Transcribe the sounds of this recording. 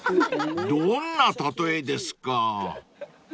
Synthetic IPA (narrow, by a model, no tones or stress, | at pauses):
d̪õnːat̪at̪o̞ed̪e̞sɨ̥ka